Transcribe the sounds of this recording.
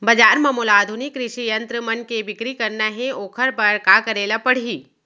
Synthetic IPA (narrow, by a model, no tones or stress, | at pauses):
bɐd͡ʒaːɾmɐmoːlaːd̪ʱʊnikːɾɪʃijɐ̃nt̪ɾəmɐnkebɪkɾikɐɾnaɦẽoːkʰəɾpɐɾkakɐɾeːlapɐɽ̤iː